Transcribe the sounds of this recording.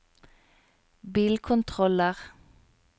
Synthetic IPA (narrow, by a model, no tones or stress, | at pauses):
biːlkʰʊnt̪ʰʁɔləʁ